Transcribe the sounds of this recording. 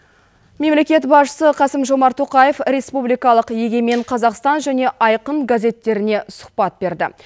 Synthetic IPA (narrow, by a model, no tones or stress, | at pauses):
me̞mle̞kʲe̞t̪bɑsʃə̥səqʰɑsəmʒo̞mɑɾt̪ʰo̞qɑje̞fɾe̞spublijkɑlˠəqje̞ɡʲe̞me̞ɴqʰɑzɑqst̪ɑnʒæne̞ʔɑjqəɴɡazʲe̞t̪ːe̞ɾɪne̞sʊ̥qpɑt̪̚be̞ɾd̪ɪ̰